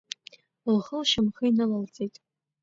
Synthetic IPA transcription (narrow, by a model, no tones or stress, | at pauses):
lχəlʃɪmχəinɨlalt͡sʼejtʼ